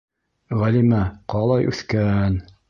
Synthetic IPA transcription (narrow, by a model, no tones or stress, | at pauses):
ʁælimæqɑlˠɑjʔʉ̰θkæn